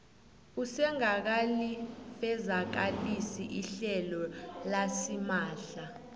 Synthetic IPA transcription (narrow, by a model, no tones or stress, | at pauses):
usɛŋak̬alifɛzak̬alisiʔiɬɛlɔlasimaːɬa